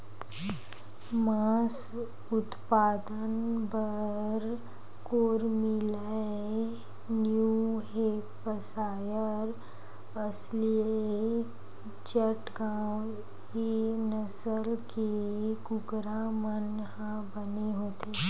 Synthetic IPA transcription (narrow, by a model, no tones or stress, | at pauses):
maːs | ʊt̪paːd̪ənbəɾ | koːɾmɪla | njuɦe | pəsaːjəɾ | əslie | t͡ʃəʈɡaw | enəsəlkeɡʊɡɾamən | ɦã | bəneɦoːt̪e